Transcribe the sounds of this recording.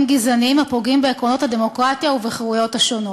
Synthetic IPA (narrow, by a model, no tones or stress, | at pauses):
mɡizanimhapoɡimbeːkʁo̞no̞t̪had̪e̞mo̞kʁat̪ijauveχʁujo̞t̪haʃo̞no